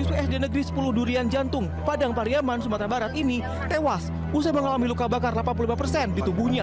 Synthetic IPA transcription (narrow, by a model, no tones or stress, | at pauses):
usweɛsdenəɡɾisə̥pulʊhduɾiand͡ʒant̪ʊŋ | padaŋpaɾiamansumat̪ɾabaɾat̪ini | t̪ewas | us̬ahməŋalamilukabakarlapanp̬ululimapərsɛndit̪ubuhɲa